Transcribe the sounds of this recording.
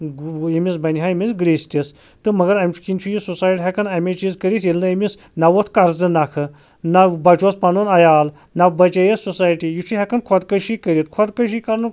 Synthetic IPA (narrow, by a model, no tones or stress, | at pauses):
jimisbɐnʲɦajimisɡɾeːsʲt̪ʲis | t̪ɨmɐɡɐɾɐmʲt͡ʃʰu̥kʲint͡ʃʰujisusaːjʈʲiɦʲɛkʰɐnɐmʲet͡ʃizkəɾit̪ʰilnɨimis | nɐwot̪ʰkɐɾzɨnakʰɨ | nabɐt͡ʃʰospɐnonɐjaːl | nɐbɐt͡ʃejesusaːjʈijit͡ʃʰuɦʲɛkʰɐnkʰɔd̪kɐʃikəɾit̪̚kʰɔd̪kɐʃ̬iːkɐɾnɨ